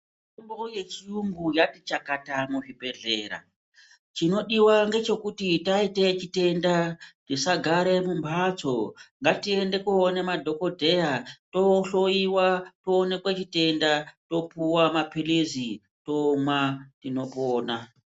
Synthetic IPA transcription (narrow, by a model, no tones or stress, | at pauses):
umboje̞t͡ʃiumbujatit͡ʃakatamuʐibʱe̞ɮe̞̰ːɾa̰ | t͡ʃino̞ɗiwaŋɡe̞t͡ʃo̞kutitaite̞t͡ʃite̞ndatisaɡʱaɾe̞mumbʰʱat͡soŋɡatie̞nde̞kuːne̞madʱo̞ko̞dʱe̞jato̞ɬo̞iwatoːne̞kwet͡ʃite̞ndato̞puwamapilizi | to̞mwatino̞poːna